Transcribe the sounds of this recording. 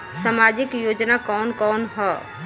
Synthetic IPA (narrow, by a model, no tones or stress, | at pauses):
samad͡ʒikjod͡ʒnakɔːnkɔːnɦɔ